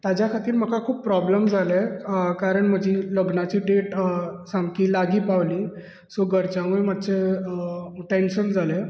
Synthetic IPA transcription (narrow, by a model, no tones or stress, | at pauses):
t̪jad͡ʑjakʰat̪iːɾm̤əkakʰuːpːɾɔbləmd͡zʱalekaɾəɳm̤əd͡ʑʱiːləɡnat͡ɕiːɖeʈsãŋɡkiːlaɡiːpaʋliː | soɡəɾt͡ɕãʋumat̪ːt͡ɕe | ʈenɕənd͡zʱale